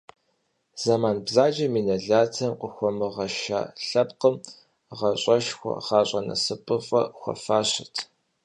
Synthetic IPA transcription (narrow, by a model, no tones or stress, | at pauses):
z̥amaːnbzaːd͡ʒɐmiːnɐɮaːtʰɐmqʷəxʷɔmɨʁɐʃa̰ːɬɐpqəm | ʁɐɕʼɐʃxʷɔ̰χɑːɕʼɐnɐ̰sɨpʼɨfʼɐ̰xʷɔ̰faːɕɪtʰ